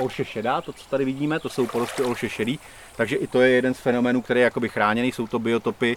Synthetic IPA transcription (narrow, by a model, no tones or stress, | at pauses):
ʔolʃɛʃɛdat̪o̞t͡sot̪adɪvɪɟiːmɛt̪o̞so̞wpoɾoʃkɪo̞lʃɛʃɛdiː | t̪aɡʒɛʔɪt̪o̞jɛjɛdɛnsfɛno̞mɛːnuːkt̪ɛɾɛːjɛjako̞bɪxɾaːɲɛniːso̞wt̪o̞bɪo̞t̪o̞pɪ